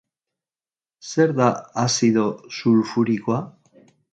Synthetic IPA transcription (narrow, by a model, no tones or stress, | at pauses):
se̞ɾðaasiðo̞suɾfuɾikoa